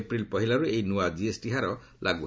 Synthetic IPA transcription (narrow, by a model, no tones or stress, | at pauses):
pɹilpɔɦilaɹuejnuwad͡ʒiesʈiɦaɾɔ | lʔaɡu